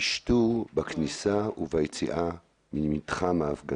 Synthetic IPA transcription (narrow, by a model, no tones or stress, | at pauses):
iʃtubaknisauvajet͡sḭʔa | mimitχamaːfɡa